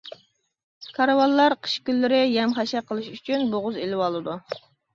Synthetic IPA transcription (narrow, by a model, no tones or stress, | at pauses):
kʰɑɾɑwɑlˠːɑɾqʰə̥ʃkʲylːɪɾɪjɛmχɑʃɛqʰəlˠɨʃyt͡ʃʰynboʁʊzelɪwɑlˠɨd̪u